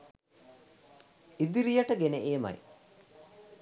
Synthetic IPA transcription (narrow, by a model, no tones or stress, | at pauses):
id̪iɾijaʈəɡeneʔeːma̰j